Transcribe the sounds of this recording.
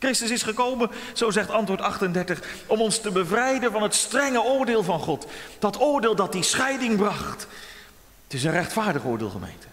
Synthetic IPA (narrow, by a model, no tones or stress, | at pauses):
krɪstəsɪsχəkowmənz̥owzɛχtɑntʋʊːɹtɑχtəndɛɹtəχɔmɔnstəbəvrɛjdənvɑnɦətstrɛŋəʊːɹdɪːlˠvɑnχɔtd̥ɑtʊːɹdɪːlˠdɑt̚disχɛjdɪŋbrɑχt | tɪs̬ənrɛχtfaːɹdəχʊːɹdɪ̰ːlˠχəmḛjntə̥